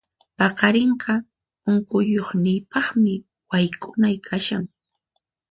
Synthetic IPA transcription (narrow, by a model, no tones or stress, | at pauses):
pɑqɑɾeɴɢɑ | ʊŋkʊjoχnɪːpɑχmɪ | wajkʰʊnajkʰaʃaŋ